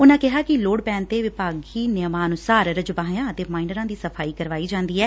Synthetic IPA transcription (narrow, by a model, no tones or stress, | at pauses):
ʊnãːkɪɦaːkɪloːɽpɛ̃ːnt̪eːʋɪpaːɡiːnɪjəmãːənʊsaːɾɾəd͡ʒbaːɦjãːət̪eːmaːɪnəɾãːd̪iːsəpʰaːiːkəɾʋaːiːd͡ʒãːnd̪iːɛː